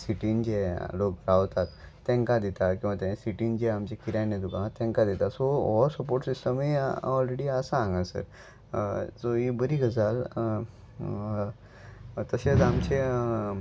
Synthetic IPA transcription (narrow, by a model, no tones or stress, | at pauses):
siʈind͡ʑelok̚ɾaʋt̪at̪ː | ɛ̃ŋkad̪et̪akĩw̃ʋat̪ẽsiʈind͡ʑeamt͡ɕekiɾajned̪ukãt̪ːɛ̃ŋkad̪et̪asoɔsəpoɾʈsisʈəmeɔlɾeɽiəsaãŋɡasə̰ɾ | soibəɾiɡəd͡zal | t̪əɕet͡samt͡ɕe